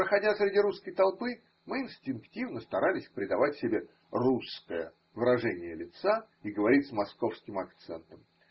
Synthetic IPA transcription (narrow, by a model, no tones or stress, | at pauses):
pɾəxɐdʲasɾʲɪdʲiɾuskəjt̪ɐlˠpɨ | mɨɪnsʲtʲɪnktʲivnəst̪ɐɾʔalʲɪsʲpɾʲɪd̪ɐvatʲsʲɪbʲe | ruskəjə̰ | vɨɾɐʐɛnʲɪjəlʲɪt̪sa | iɡəvɐɾʲitʲsmɐsko̞fskʲɪmɐkt̪sɛ̰nt̪əm